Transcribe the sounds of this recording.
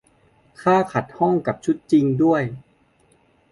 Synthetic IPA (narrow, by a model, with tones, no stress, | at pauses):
kʰaː˥˩kʰa˨˩t̪̚hɔ˥˩ŋka˨˩p̚t͡ɕʰu˦˥t̪̚t͡ɕi˧ŋdu˥˩əj